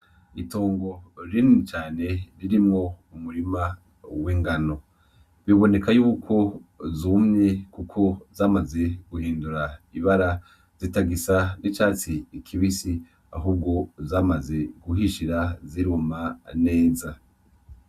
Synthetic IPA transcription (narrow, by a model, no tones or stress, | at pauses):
itoːŋɡo̞ɾinit͡ʃaːne̞ɾiɾimŋo̞umuɾima | wiːŋɡano̞ | βiβo̞ne̞kajuːkʰo̞zumɲe̞kukʰo̞zaːmaze̞ɡ̥uhiːnduɾaiβaɾa | z̥itaɡisanit͡ʃaːt͡siːkʰiβisi | a̰ɦuːb̚ɡo̞zaːmaze̞ɡuɦiʃiɾaziɾumane̞ːza